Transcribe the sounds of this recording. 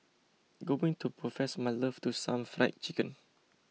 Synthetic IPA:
ɡobĩŋtʰupɹɔfɛsmaɪləftusãmfɹaɪt̚t͡ʃikə̃n

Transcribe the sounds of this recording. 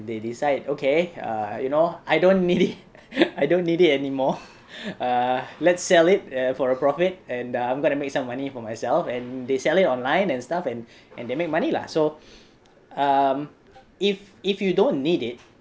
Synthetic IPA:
dedisaɪdokʰeʌ̰junoajdõnːidit | ajdõnːidit̚ɛnimɔ | ʌlɛtsːɛlɪt̚ʌfɔɹəpɹɔfit̚ɛ̃naãjmɡõntumek̚sãmːanifɔmajsɛlfɛ̃ndesɛlitɔ̃nlãɪ̃nɛ̃nstafɛ̃nʔɛ̃ndemek̚manila̰so | ʌm | ififjudõnːidɪt̚

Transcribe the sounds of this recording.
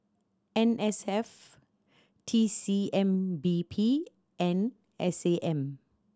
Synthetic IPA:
ɛ̃nɛsɛf | tʰisiɛ̃mbipʰi | ɛ̃n | ɛseʔɛ̃m

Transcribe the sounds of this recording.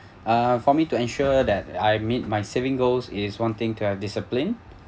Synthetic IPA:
ʌfɔmituɛ̃nʃuəd̪ɛtajmit̚majsevɪ̃ŋɡosɪswɔ̃ntɪ̃ŋtʰuhɛvdɪsəplĩn

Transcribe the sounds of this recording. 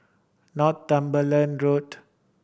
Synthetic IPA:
nɔttãmbələ̃nɹot

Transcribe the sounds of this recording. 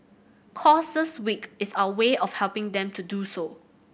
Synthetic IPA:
kʰɔsəswikɪsaʊəweɔfhɛlpɪ̃ŋd̪ɛ̃mtʰuduso

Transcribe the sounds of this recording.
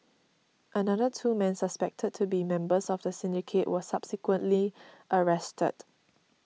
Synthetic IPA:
ʔənadətʰuːmɛ̃nsəspɛk̚tʰəd̚tʰːubimɛ̃mbəsɔfdəsɪ̃ndikʰeʔwəsab̥sɪkwə̃nʔliʔəɹɛstʰə̰d̥

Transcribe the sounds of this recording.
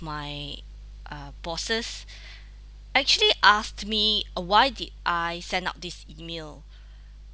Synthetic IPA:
maj | ʔʌbɔsəs | ʔɛk̚t͡ʃuəliʔastmiwajdid̚ʔajsɛ̃na̰ʊt̚disimel

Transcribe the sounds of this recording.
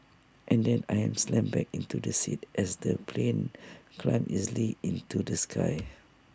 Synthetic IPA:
ʔɛ̃ndɛ̃najɛ̃mslɛ̃mbɛkĩntudəsitʔɛsdəpʰlẽnkʰlãj̃mʔizəliĩntudəskʰaj

